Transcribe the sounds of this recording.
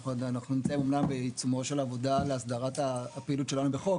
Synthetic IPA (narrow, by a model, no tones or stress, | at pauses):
χdanaχnunimt͡sajimomnambet͡sumo̞ʃelaːvo̞dale̞asd̪aʁat̪apeilutʃe̞lanubeχo̞